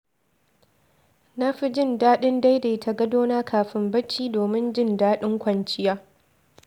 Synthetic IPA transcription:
na˦ɸi˦d͡ʒɪ˦˨ndaː˦ɗɪ˦nda˦jda˨tʰa˨ɡɐ˦doː˦naː˦kʰaː˨ɸɪ˦mbɐ˦t͡ʃːiː˦doː˨mɪ˦nd͡ʒɪ˦˨ndaː˦ɗɪ˦ŋkʷɐ˨nt͡ʃɪ˦jaː˦

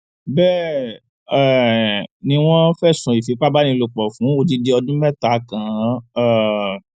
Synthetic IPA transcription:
bɛ˦˨ | ɛ˨nĩ˧w̃ɔ̃˦fɛ˦˨sũ˨i˨fi˨˦k͡pa˦ba˦nĩ˧lo˧k͡pɔ˨fũ˨˦o˧d͡ʒi˧de˦ɔ˧dũ˦mɛ˦˨ta˨˦kã˨˦ɛ˦˨

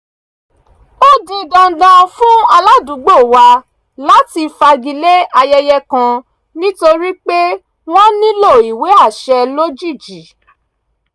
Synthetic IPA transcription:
bo˦dĩ˧ɡã˧˦dã˧fũ˦a˧la˦dũ˨˦ɡ͡bo˦˨wa˧ | la˨˦ti˧fa˧ɡi˧le˦a˧jɛ˧jɛ˧kã˧ | nĩ˦to˧ɾi˦k͡pe˦ | w̃ɔ̃˦nĩ˦lo˦˨i˨we˨˦a˦˨ʃɛ˧lo˦d͡ʒi˦˨d͡ʒi˨˦

